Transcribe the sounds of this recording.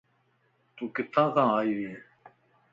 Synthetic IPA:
t̪uːkɪt̪ʰːãːkʰãːaːiːʋiːeː

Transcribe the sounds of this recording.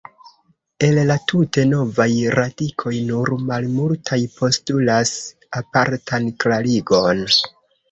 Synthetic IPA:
e̞llatʰute̞no̞vajɾadikʰo̞jnuɾmalmultʰajpʰo̞stulas | apaɾtʰanklaliɡo̞n

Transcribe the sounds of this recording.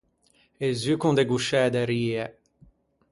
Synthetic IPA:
ezykũnd̪eɡuʃɛd̪ɛɾiːɛ

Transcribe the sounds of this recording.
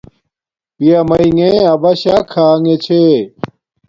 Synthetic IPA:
pijamɐiŋẽɐbɐɕakʰaːŋet͡ɕʰe

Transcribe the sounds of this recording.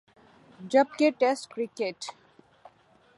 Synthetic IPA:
d͡ʒʌb̚keʈɛskɾikeʈ

